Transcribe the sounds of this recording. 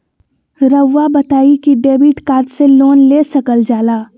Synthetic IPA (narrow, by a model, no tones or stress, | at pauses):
ɾəʋːabət̪aːikiɖeːbiʈkaːt̪seloːnleːsɐkəld͡ʒaːlaː